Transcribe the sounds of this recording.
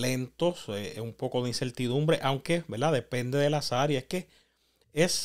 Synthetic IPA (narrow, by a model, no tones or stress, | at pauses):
le̞nt̪o̞seumpo̞ko̞ðeinse̞ɾt̪iðũmbɾe̞ʔawŋke̞be̞ɾd̪aðe̞pẽ̞nd̪eðe̞lasaɾjaeske̞ | es